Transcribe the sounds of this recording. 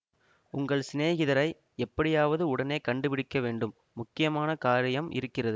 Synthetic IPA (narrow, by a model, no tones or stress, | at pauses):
ʊŋɡɐɭsɪneːɣɪðɐɾɐɪ | ɛpːɐɽɪjaːʋɐðɯʊɽɐneːkɐɳɖɯpɪɽɪkːɐʋeːɳɖɯmːʊkːɪjɐmaːnɐkaːɾɐjɐmʔɪ̰ɾɯkːɪrɐðɯ